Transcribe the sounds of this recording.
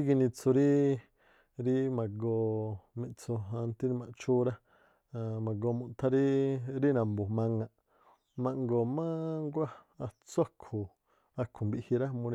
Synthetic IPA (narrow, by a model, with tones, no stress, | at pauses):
i˦ɡi˧nĩ˧t͡su˧ɾi˦ | ɾi˦mã˨ɡo˧mĩ˧t͡su˧a˧nt̪i˦ɾi˧mã˨t͡ʃu˦ɾa˦˨ | mã˨ɡo˧mũ˧t̪ʰa˧ɾi˦ɾi˦nã˨mbu˨mã˧ŋã˧ | mã˧ŋɡo˨mã˦ŋɡʷa˦ | a˧t͡sa˦kʰu˨ | a˧kʰu˨mbi˧hi˧ɾa˦mũ˧ɾi˧